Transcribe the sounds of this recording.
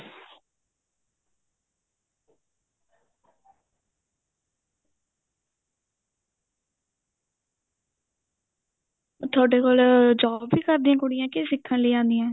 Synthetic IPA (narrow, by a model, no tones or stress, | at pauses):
t̪ʰaːɖeːkoːld͡ʒaːbːiːkəɾd̪ĩːãːkʊɽɪjãːkɪsɪkʰːãːləiːãːnd̪iːãː